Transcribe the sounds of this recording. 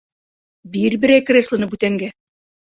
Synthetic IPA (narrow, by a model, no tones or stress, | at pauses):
biɾbɘ̆ɾæjkrʲeslˠɤ̆nɤbʉt̪æŋɡæ